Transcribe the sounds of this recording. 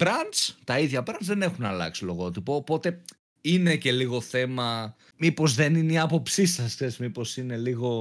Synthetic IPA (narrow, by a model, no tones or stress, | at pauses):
bɾɐnt͡st̪ɐiðʝɐbɾɐnzðe̞ne̞xunɐ̰lɐ̰ksilo̞ɣot̪ipoːpo̞t̪e̞ | ine̞ce̞liɣo̞θe̞mɐ | mipo̞zðe̞nineiɐpo̞psisɐsezmipo̞sine̞liɣo̞